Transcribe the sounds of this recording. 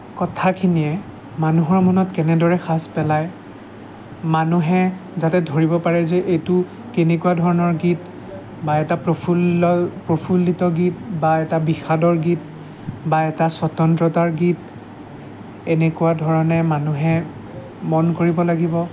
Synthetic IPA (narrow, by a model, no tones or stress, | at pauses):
kɔtʰakʰinijɛ | manuɦɔɹmɔnɔtkɛnɛdɔɹɛxaspɛlaj | manuɦɛzatɛdʱoɹibɔpaɹɛzɛʔejtʊ | kenɛkuadʱɔɹɔnɔɹɡit | baɛtapɹopʰulpɹopʰulːitɔɡitbaɛtabixadɔɹɡit | baɛtasɔtɔntɹɔtaɹɡit | ɛnɛkuwadʱɔɹɔnɛmanuɦɛ | mɔnkoɹibɔlaɡibɔ